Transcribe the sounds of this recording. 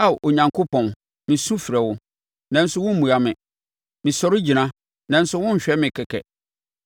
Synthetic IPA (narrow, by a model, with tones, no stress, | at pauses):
a˦˨ʔo˨ɲã˨ŋkʰo˦pʰɔ̃˨n | mɪ̃˨su˦fi˨ɾɛ˨wʊ˦ | nã˨˦n̩˦sʊ˦wʊ̃˦m̩˦mũ˨a˨mɪ̃˨ | mɪ̃˨sɔ˦ɾɪ˦d͡ʑi˨nã˦ | nã˨n̩˦sʊ˦wʊ̃˦ɲ̩˨ɕᶣɛ˦mɪ̃˨kʰɛ˨kʰɛ̰˨